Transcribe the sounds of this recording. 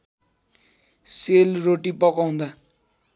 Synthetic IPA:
selroʈipʌkaw̃nd̪a

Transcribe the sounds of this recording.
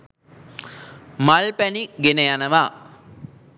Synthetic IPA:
malpæniɡenəjanəʋaː

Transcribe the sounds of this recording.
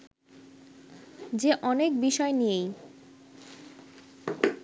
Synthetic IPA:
d͡ʑeʔɔnekbiʃɔenijej

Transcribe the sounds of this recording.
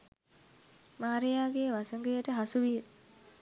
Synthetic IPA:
maːɾejaːɡeːʋasəŋɡəjəʈəɦasuʋi

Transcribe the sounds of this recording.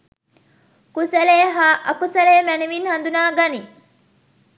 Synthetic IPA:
kusæleːɦaːʔɐkusɐleːmæneʋinhɐnd̪unaːɡɐni

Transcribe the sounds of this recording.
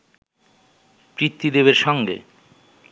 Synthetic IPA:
pɾit̪ːid̪ebeɾʃɔŋɡḛ

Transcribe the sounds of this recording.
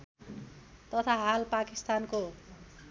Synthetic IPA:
t̪ʌt̪ʰaɦalpakist̪anko

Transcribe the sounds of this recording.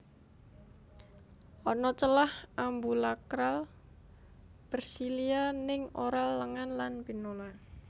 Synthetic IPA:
ʔɔnɔt͡ʃəlahʔambulakɾal | b̥ərsilianɪŋʔoɾalːəŋanlanpinola

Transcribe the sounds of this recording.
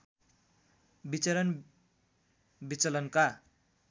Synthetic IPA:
bit͡sʌɾʌn | bit͡sʌlʌnka

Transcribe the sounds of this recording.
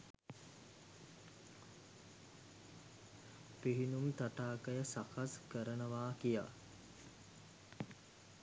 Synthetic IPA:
piɦinumt̪aʈaːkəjəsakʰaskəɾənəʋaːkija̰

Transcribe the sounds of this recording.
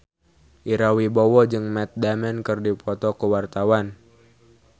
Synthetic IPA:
ʔiɾawibɔwɔd͡ʒɨŋmɛt̪̚damɛnkɨrdipʰɔt̪ɔkuwart̪awan

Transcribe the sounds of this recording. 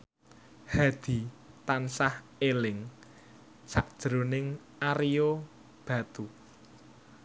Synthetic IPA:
had̪̥i̤t̪ansah | elɪŋ | saʔd̥ʒ̥ɾo̤nɪŋ | aɾijo | b̥ä̤t̪u

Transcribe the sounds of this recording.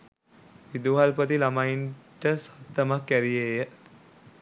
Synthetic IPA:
ʋid̪uɦalpət̪ilamainʈəsḁt̪ːəmakːæɾijeːjə

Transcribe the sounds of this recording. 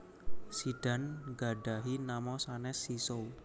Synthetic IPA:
siɖ̥a̤nɡa̤ɖ̥a̤ɦinamɔsanɛsisow

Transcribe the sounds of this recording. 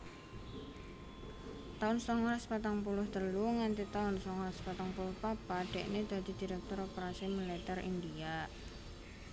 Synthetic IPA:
t̪aʊnsɔŋaspat̪aŋp̬ulʊhd̪̥ə̤luŋant̪it̪aʊnsɔŋwaspat̪aŋpulʊhpabaɖ̥ɛ̤ʔned̪̥a̤d̪̥i̤d̪̥i̤ɾɛk̚t̪ʊɾopeɾasimilit̪ɛrḭnd̪ia

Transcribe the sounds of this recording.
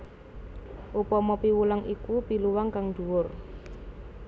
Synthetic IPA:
ʔupɔmɔpiwulaŋʔikupiluwaŋkaŋd̥uwʊr

